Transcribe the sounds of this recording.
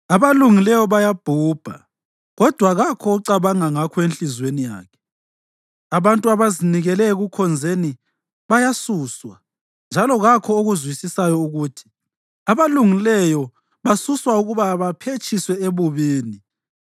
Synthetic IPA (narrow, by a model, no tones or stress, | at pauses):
aβaluŋilɛjɔβajab̥ʱuːb̥ʱa̰ | ɣɔd̥ʱwaɣakʰɔːǀaβaŋaŋakʰɔenɬizwenija̰ːkʰɛ̥ | aβantʼuaβaziniɣɛlɛɣukʰɔnd͡zʱeni | βajasuːswa | nd͡ʒʱalɔɣakʰɔoɣuzwisisajɔuɣutʰi̥ | aβaluŋilɛjɔ | βasuswauɣuβaβapʰet͡ʃʼiswɛeβuβiːni